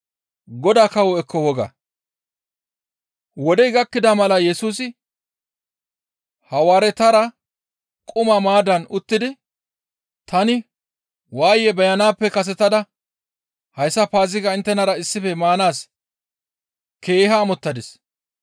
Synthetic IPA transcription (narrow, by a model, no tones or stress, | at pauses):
ɡɔd̪aːkɐwɔɛkːɔwɔɡɐ̰ | wɔd̪ɛjɡɐkːɪd̪ɐmɐlɐjɛsuːsɪ | hɐwaːɾɛt̪ɐɾɐ | kʼʊmɐmaːd̪ɐnʊt̪ːɪd̪ɪ | t̪ɐnɪ | waːjɛbɛjɐnaːpːɛkɐs̬ɛt̪ːɐd̪ɐ | hɐjsːɐpaːzɪkɐɪnt̪ːɛnɐɾɐɪsːɪfɛmaːnaːs | ke̞ːɦaːmɔt̪ːɐd̪ɪs